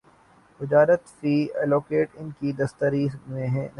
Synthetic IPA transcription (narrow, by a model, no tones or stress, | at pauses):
ʋɪd͡ʒaːɾət̪fiːɛːloːkeːʈɪnkid̪ɐst̪əɾimẽɦɛ̃n